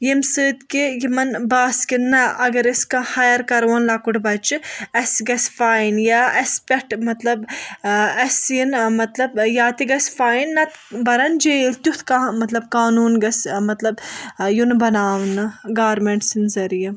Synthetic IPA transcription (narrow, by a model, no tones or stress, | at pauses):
jimsɨːt̪kijimɐnbaːskinːɐʔɐɡɐɾiskahɐjɐɾkɐɾʋɐnlakuʈbɐt͡ʃiɐsɡɐsfaːjinjaːɐspʲeʈmɐt̪lɐb | ɐsjinmɐt̪lɐbjaːt̪iɡɐsfaːjinːɐt̪bɐɾɐnd͡ʒeːlt̪ʲut̪ʰkamɐt̪lɐbkaːnuːnɡɐsmɐt̪lɐbjunbɐnaːʋnɨɡaːɾmeɳʈsinzɐɾijɐ